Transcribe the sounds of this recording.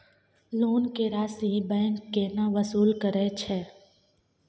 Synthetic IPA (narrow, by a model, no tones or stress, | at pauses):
loːnkeːɾaːsĩbɛ̃ːŋkːeːnaʋəsuːlkəɾɛt͡ʃʰɛː